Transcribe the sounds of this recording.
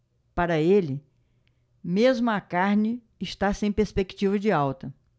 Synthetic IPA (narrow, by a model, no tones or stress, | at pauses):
paɾɐelɪ | mezmʊɐkaɾnɪ | ɪʃt̪asẽj̃peɾspekt͡ʃivɐd͡ʒɪawt̪ɐ